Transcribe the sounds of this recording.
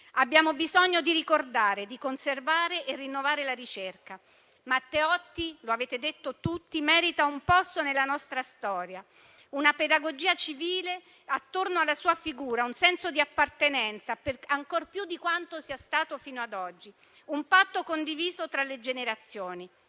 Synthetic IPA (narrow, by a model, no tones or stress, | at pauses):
abːjaːmobizoɲːod̪iɾikord̪aːɾed̪ikonservaːɾeʔerːinːovaːɾelaɾit͡ʃerka | mat̪ːeɔt̪ːiloaveːt̪ed̪et̪ːot̪ut̪ːimɛːɾit̪aumpɔst̪onelːanɔst̪ɾast̪ɔːɾja | unaped̪aɡod͡ʒiːat͡ʃiviːle | at̪ːornoalːasuːafiɡuːɾaunsɛnsod̪iapːart̪enɛnt̪saperaŋkorpjud̪ːikwant̪osiːast̪aːt̪ofiːnoad̪ɔd͡ʒːi | umpat̪ːokond̪iviːzot̪ɾalːed͡ʒeneɾat̪sːjoːni